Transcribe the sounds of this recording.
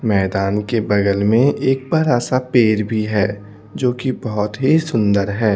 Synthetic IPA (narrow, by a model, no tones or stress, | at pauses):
mɛːd̪aːnkebɐɡəlmẽʔeːk̚bɐɾasapeːɾbʱiɦɛː | d͡ʒoːkibɐɦʊt̪ɦisʊ̃nd̪əɾɦɛː